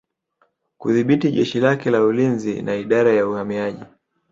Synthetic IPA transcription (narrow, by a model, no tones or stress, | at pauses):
kuðiɓitiʄɛʃilakɛlaulinzinaiɗaɾajauhamiaʄi